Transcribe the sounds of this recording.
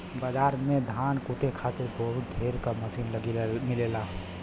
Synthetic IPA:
bad͡ʒaːɾmẽd̪ʱaːnkuʈekʰaːt̪ɪɾbəɦʊt̪̚d̪ʱeːɾkaməsiːnləɡimɪlela

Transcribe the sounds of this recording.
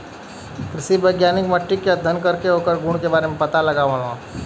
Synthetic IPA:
kɾɪʃibəɪɡjaːnɪkməʈːikeəd̪ʱːənkəɾkeɦoːkəɾɡũːɽ̃kebaːɾemẽpɐt̪alɐɡaːʋalãː

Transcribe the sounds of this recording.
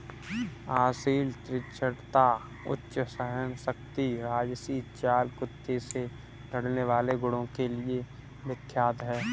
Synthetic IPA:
aːsiːlt̪ɾɪt͡ʃʰəɽt̪a | ʊ̰tːʃəsəɦəmsək̚t̪iɾaːd͡ʒsiːt̪t͡ʃaːlkʊt̪ːese | ləɽ̤neʋaːleɡʊɽõkelie | mɪkʰːjaːd̪ɦɛː

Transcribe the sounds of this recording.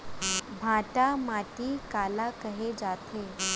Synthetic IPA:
bʱaʈamaʈiːkalakəɦed͡zat̪ʰe

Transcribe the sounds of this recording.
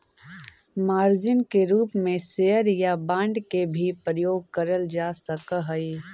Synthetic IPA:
maːɾd͡ʒɪnkeɾuːpmẽsejəɾjabãːɳɖkebʱipɾəjoːɡ̚kəɾəld͡ʒasəkəɦəi

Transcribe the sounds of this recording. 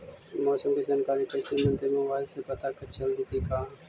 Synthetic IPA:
moːsəmkiːd͡ʒaːnkaːɾiːkəːsiːmə̃nt̪emẽːʋaːɦɪseːpət̪aːkəɾt͡ʃʰəlɦɪt̪iːkaː

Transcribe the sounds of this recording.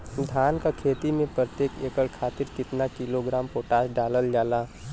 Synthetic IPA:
d̪ʱaːnkakʰeːt̪imẽpɾət̪eːkeːkəɭkʰaːt̪ɪɾkɪt̪nakiloɡɾaːmpoːʈaːsɖaːləld͡ʒaːlaː

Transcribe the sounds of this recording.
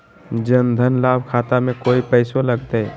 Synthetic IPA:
d͡ʒənd̪ʱənlaːbʱkʰaːt̪amẽkoːipəɪsoləɡt̪e

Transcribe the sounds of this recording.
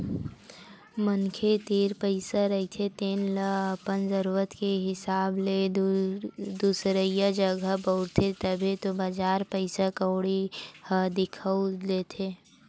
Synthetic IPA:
mənkʰet̪eːɾpəɪsaɾəɦit̪ʰet̪eːnlpənzəɾuːɾət̪keɦɪsaːble | d̪uːsɾəjad͡ʒəɡəbəʊɾt̪ʰet̪əbʱit̪obəd͡ʒaːɾpəɪsakəːɽihəd̪ɪkʰəuleːt̪ʰeː

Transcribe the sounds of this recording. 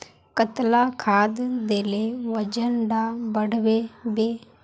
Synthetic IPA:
kət̪laːkʰaːd̪d̪eːleːʋəd͡ʒənɖabəɽʋeːbeː

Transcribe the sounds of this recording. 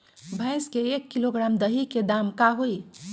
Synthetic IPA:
bʱə̃ɪskeekːiloɡɾamd̪əɦiked̪amkaɦoi

